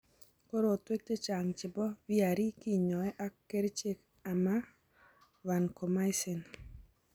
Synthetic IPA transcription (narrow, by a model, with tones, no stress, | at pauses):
ko˦ɾoː˦˨twe˦k̚te˦t͡ʃa˨ŋt͡ʃɪ˨bɔ˦wi˦a˨ɾi˦ki˦ɲɔ˨ɛ˦ʔa˦kːe˦ɾt͡ʃe˦k | a˨ma˦ | wa˨nko˨ma˦ɪ˦sɪ˨n